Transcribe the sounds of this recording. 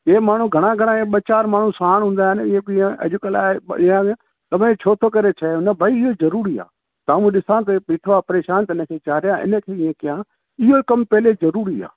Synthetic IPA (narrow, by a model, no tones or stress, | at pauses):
eːmaːɳ̤ũɡʱɐɽ̃ãːɡʱəɽ̃ãeɓət͡ʃaːɾmaːɳ̤ũsaːɽɦʊ̃ːn̆d̪aːɦɪnɪẽiːẽə̰d͡ʒʊkəlaːɪã | t̪ɐʋ̤ẽt͡ʃʰoːt̪ʰokɐɾet͡ʃʰɐõnɐbʱaiɪɦozɐɾuːɾia̰ː | t̪aːmũɗɪsãːt̪̬ɐpiːʈʰoʋaːpɐɾeːʃaːnt̪əɪnəkʰeːt͡ʃaːɾɪjãʔɪ̰nəkʰeːɪẽkɪjãː | ɪɦokɐmpɛɦlezɐɾuːɾiːa̰ː